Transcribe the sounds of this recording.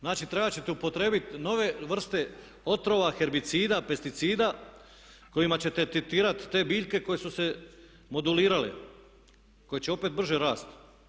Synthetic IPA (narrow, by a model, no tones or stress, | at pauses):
znaːt͡ʃit̪ɾe̞bat͡ɕe̞t̪eupo̞t̪ɾe̞ːbit̪no̞ʋe̞ʋr̩st̪e̞ | o̞t̪ɾo̞ʋaxe̞ɾbit̪siːd̪ape̞st̪it̪siːd̪a | ko̞jimat͡ɕe̞t̪et̪it̪iːɾat̪ːe̞ːbiːʎke̞ko̞je̞suse̞ | mo̞d̪uliːɾalḛ | ko̞jet͡ɕeo̞pet̪̚br̩ʒeɾaːst̪